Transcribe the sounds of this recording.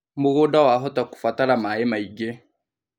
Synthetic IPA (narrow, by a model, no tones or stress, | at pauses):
moɣodawaɦɔtaku̥fatalamaemaiɡe